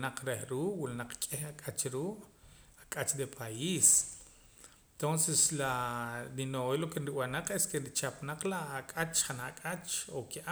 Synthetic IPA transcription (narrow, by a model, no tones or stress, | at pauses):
naq͡χɾehɾuːʔwulanaq͡χkʼehakʼat͡ʃɾuːʔakʼat͡ʃd̪epʰaiːs | t̪onseslaɾinoelokenɾiwanaq͡χeskenɾit͡ʃapnaq͡χlaʔakʼat͡ʃχanaʔkʼat͡ʃokeʔa